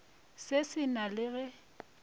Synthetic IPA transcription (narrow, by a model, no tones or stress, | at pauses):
sesɪnalɪɣɛ